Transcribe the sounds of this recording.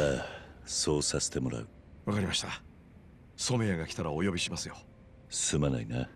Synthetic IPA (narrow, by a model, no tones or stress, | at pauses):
aso̞ːsase̥t̪e̞mo̞ɾa̰ɯ̟ | βakaɾʲimaɕi̥t̪a | so̞me̞aɡakʲi̥t̪aɾaojo̞bʲiɕimasɨjo̞ | sɨmanaina